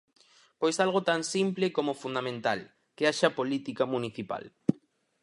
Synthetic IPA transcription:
pojsalɣot̪aŋsimplɪkomofund̪amẽnt̪al | keaʃapolit̪ikamuniθipa̰l

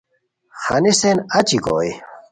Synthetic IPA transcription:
xa̰nisenɐt͡ɕiko̰j

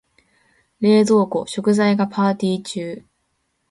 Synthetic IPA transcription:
ɾe̞ːzo̞ːko̞ɕo̞kɯ̟zaiɡapʰaːt̪ʲiːt͡ɕɨː

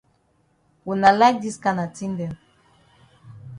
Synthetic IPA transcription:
wɛnalaɪk̚diskãnatʰĩŋdɛ̃n

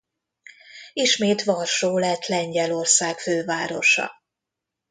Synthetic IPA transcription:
iʃmeːt̪ʋɒrʃoːlɛt̪lɛɲɟɛlo̞rsaːkføːvaːɾo̞ʃɒ̰

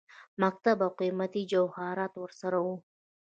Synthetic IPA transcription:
mak̚t̪abawqimat̪id͡ʒawhɑɾɑt̪wəɾsaɾawu

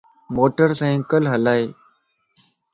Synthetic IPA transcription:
moːʈəɾsĩːkəlɦəlaːeː

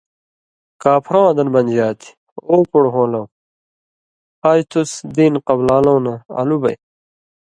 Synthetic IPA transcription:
kaːpʰɾõwɐd̪ɐnbɐnd͡ʑaːt̪i̥ | oːkoɽɦõːlɐw | aːjt̪ʰusd̪iːnqɐblaːlɐ̃wnɐɐ̰lubɐ̰j

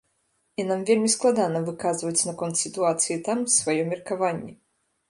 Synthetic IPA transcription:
inamvʲelʲmʲisklˠad̪anɐvɨkazvɐt͡sʲnɐkɔnt̪sʲit̪uat̪sɨjit̪amsvajɔmʲirkavanʲːɛ

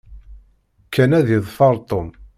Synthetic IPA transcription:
kʰːænæðiðˤfɑɾˤt̪ˤom

